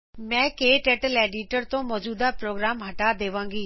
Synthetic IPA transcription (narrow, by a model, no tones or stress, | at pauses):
mɛ̃ːkeːʈeːʈəleːɖiʈəɾt̪õmɔːd͡ʒuːd̪apɾoːɡɾaːmɦɐʈad̪eːʋãːŋɡiː